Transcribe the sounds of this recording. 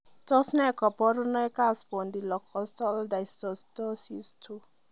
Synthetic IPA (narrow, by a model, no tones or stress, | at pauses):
t̪ɔsnɛkɔpɔɾunɔjkaspɔndilɔkʰɔst̪ɔldajstɔst̪ɔsist̪ʰu